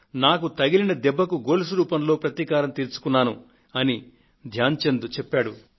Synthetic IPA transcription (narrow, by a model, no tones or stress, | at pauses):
naːkut̪ɐɡilinɐd̪ɛbːɐkuɡo̞ːlus̬uɾuːpɐnlo̞ːpɾɐt̪ikaːɾɐmt̪iːɾt͡ʃu̥kunːaːnu | ɐni | d̪ʱjaːɲt͡ʃend̪ut͡ʃɛpːaːɽu